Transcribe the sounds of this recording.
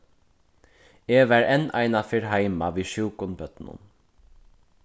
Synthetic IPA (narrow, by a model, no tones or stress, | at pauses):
eːʋæɹɛna̰ɪnafɪɹɦaɪmaʋiːʃuːkʊnbœt̪nʊ̰n